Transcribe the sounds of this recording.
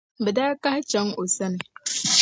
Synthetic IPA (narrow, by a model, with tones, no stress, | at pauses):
bə˨da˦ka˦ht͡ʃa˨˦ŋo˨sɐ˦n˨